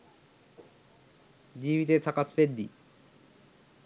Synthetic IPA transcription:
d͡ʑibit̪et̪ʰakasfeɾd̪ḭ

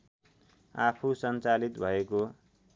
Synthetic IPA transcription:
apʰusʌnt͡salit̪bʱʌeko

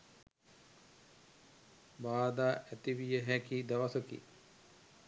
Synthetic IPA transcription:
baːd̪aːʔæt̪iʋijəɦækid̪aʋasəkḭ

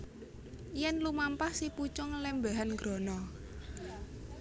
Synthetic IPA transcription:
jɛnlumampahsiput͡ʃʊŋlɛmbaɦanɡɾɔnɔ

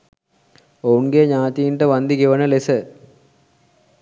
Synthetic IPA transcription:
ounɡeɲaːt̪ijiɳʈəʋɐnd̪iɡeʋənəlesə

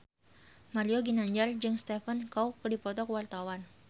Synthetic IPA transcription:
maɾioɡinaɲd͡ʒard͡ʒɨŋst̪efənkawkədipɔt̪ɔkwart̪awan

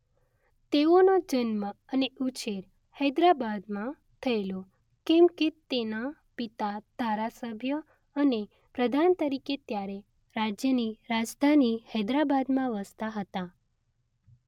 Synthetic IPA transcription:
t̪eonod͡ʒənməəneut͡ʃeɾ | hɛd̪ɾabad̪mã | t̪ʰəelo | kɛmket̪ena | pit̪ad̪̥ʱaɾasəbʱjə | əne | pɾəd̪ʱant̪əɾiket̪jaɾe | ɾad͡ʒjəniɾad͡ʒd̪ʱanihɛd̪ɾabad̪mãʋəst̪aɦət̪a

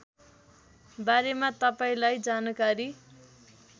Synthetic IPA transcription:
baɾemat̪ʌpaĩlajd͡zanʌkaɾi

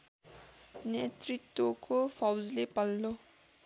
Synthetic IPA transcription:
net̪rit̪ːwokopʰʌwd͡zlepʌlːo

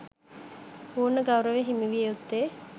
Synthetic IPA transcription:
puːɾnəɡawɾəʋeɦimiʋijeut̪ːe

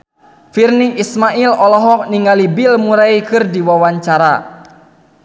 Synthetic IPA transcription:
firniismaʔilɔlɔɦɔk̚niŋɡalibilmuɾaikɨrdiwawaɲt͡ʃaɾa̰

